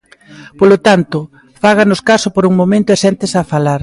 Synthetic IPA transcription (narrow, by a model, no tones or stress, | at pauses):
polot̪ant̪ʊ | faɣanʊskasʊpoɾuŋmõmẽnt̪ʊesɛnt̪esafalaɾ